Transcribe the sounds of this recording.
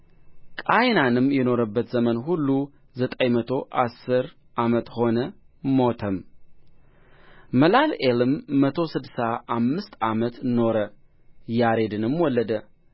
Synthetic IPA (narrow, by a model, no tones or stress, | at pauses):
kʼajnanɨmjɛno̞ɾəbːət̪zəmənɦulːu | zət̪ʼəjmət̪ʰo̞ʔa̰sːɨɾ | ʔamət̪ho̞nəmo̞t̪ʰəm | məlalelɨmːət̪ʰo̞sɨd̪saʔamːɨst̪ʰamət̪no̞ɾə | jaɾe̞d̪ɨnɨmwɔlːəd̪ə